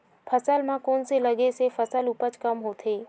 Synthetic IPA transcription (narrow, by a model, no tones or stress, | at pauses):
pʰəsəlmãkoːnseləɡesefʰəsəlupət͡ʃkəmɦoːt̪ʰeː